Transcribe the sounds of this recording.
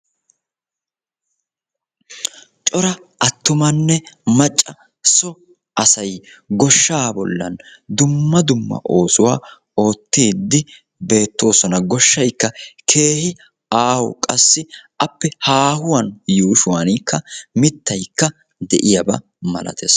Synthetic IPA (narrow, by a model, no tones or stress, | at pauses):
t͡ʃʼɔɾɐʔɐt̪ːʊmɐnːɛmɐt͡ʃʼːɐ | sɔ | ʔɐsɐjɡɔʃːaːbɔ̰lːɐ̰nd̪ʊmːɐd̪ʊmːɐ̰ʔo̞ːsʊwaː | o̞ːt̪ːiːd̪ːɪ | be̞ːt̪ːo̞ːsɔnɐɡɔʃːɐjkːɐkʰe̞ːhɪ | aːhɔ̰kʼɐsːɪʔɐpːɛhaːhʊwɐnjuːʃʊwɐnɪkːɐmɪt̪ːɐjkːɐ | d̪ɛʔɪjɐbɐ̰ | mɐ̰lɐ̰t̪ʰes